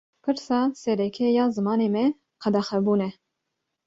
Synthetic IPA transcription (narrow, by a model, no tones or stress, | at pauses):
pʰɨɾsɑːsɛɾɛkʰɛjɑːzɨmɑːneːmɛ | qʰɛd̪ɑxɛbuːnɛ